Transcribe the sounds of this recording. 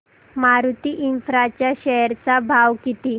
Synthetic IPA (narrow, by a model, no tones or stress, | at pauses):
maɾut̪iʔinfɾat͡ɕjaɕɛəɾt͡sabʱaʋkit̪i